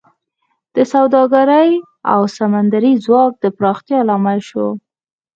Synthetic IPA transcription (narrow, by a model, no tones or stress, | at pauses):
d̪̥əsawd̪ɑɡaɾaj | a̰wsamand̪aɾizwɑk̚d̪əpɾɑxt̪jɑlɑmajʃo